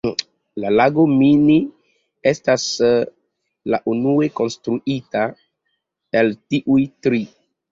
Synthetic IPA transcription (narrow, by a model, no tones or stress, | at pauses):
lalaɡo̞mini | e̞stas | la̰ʔunue̞ko̞nstɾuita | eltiʔujtɾi